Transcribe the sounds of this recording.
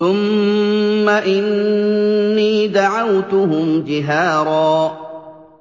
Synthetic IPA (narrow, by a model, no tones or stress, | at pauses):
θʊmː | aʔɪnː | iːd̪aʕawt̪ʊɦʊmd͡ʒɪɦaːɾˤɑː